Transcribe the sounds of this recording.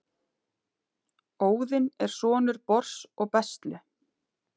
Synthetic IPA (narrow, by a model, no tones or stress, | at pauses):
oːwðɪnɛɾ̥sɔːnʏɾpɔr̥sɔɣpɛst̪lʏ